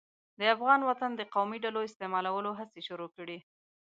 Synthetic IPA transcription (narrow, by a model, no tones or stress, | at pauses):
d̪əafɣɑnwat̪and̪əqawmiɖaloɪst̪emɑlawəloɦaseʃʊɾokəɽi